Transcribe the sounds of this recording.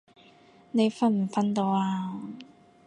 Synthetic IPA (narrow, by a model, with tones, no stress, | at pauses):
ne˨˧jfɐ˥nm̩˨˩fɐ˥nt̪o˧waː˧